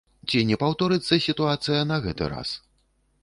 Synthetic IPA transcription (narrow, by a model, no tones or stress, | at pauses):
t͡sʲinʲɛpawt̪ɔɾɨt̪sːɐsʲit̪uat̪sɨjɐnɐɣɛt̪ɨ̰ɾa̰s